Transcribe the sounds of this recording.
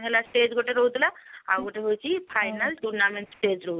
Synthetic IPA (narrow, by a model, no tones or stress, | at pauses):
ɦelasʈed͡ʒɡoʈeɾoɦut̪laawɡoʈeɦojt͡ʃʰipʰajnəlʈuɾnameɳʈsʈed͡ʒɾoɦ